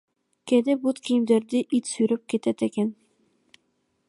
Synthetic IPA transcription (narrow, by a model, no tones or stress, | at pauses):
ked̪ebut̪kʲʰijimd̪eɾd̪iʔit̪syɾøp̚ket̪ɛt̪eken